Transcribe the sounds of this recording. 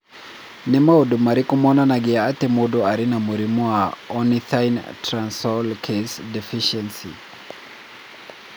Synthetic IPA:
nimaɔɗumaɾikumɔnanaɡɛaatɛmuɗɔaɾinamuɾimuaɔniθajntɾansɔlkʰesdɛfiʃɛnsḭ

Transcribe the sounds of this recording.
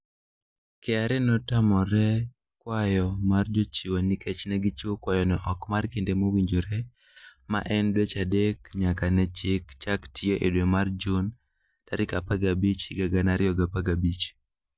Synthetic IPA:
keaɾɛnɔtamɔɾɛ | kwajɔmard͡ʒot͡ʃiwonikʰɛt͡ʃnɛɡɪt͡ʃokwajɔnɛʔɔkmarkendemowiɲd͡ʒoɾɛ | ma̰ʔɛndwet͡ʃadekɲakanɛt͡ʃɪkt͡ʃaktʰɪjoʔedwemard͡ʒon | taɾɪkapaɡabit͡ʃɡaɡanaɾɪjɔɡapaɡabit͡ʃ

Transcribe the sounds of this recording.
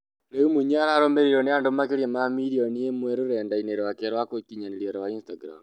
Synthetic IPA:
neumuɲaɾaɾomeɾiɾɔneandomakeɾjamamiɾiɔniemwɛɾoɾɛndaineɾwakeɾwakwokiɲaniɾiɔɾawainstaɡɾa̰m

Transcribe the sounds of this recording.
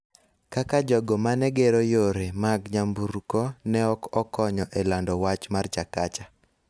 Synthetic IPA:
kakad͡ʒɔɡɔmanɛɡeɾojoɾemaɡɲambuɾkɔnɛɔkɔkɔɲɔʔɛlandɔwat͡ʃmart͡ʃakat͡ʃa

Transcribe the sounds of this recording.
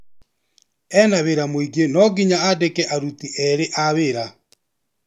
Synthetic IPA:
ɛnaβeɾamwiɡenɔɡiɲaadekɛʔaɾutiʔɛɾeʔaβeɾa

